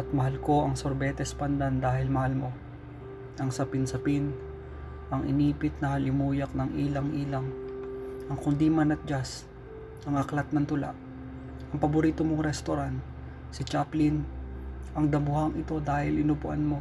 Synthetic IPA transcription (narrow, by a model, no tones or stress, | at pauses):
ʔɐt̪̚mɐhalko̞ʔɐŋsoɾbɛt̪ɛspɐnd̪and̪aːhɪlmɐhalmo̞ | ʔɐŋsɐpɪnsɐpɪn | ʔɐŋɪ̰niːpɪt̪̚nɐhɐlɪmuːjɐk̚nɐŋʔiːlɐŋʔiːlɐŋ | ʔɐŋkʊnd̪imanɐt̪̚d͡ʒas | ʔɐŋɐklat̪̚nɐŋt̪ʊla̰ʔ | ʔɐŋpɐbʊɾiːt̪omoŋɾɛst̪oɾant̪ | sɪt͡ʃaplɪn | ʔɐŋd̪ɐmʊhɐŋɪt̪o̞d̪aːhɪlʔɪnʊpʊʔa̰nmo̞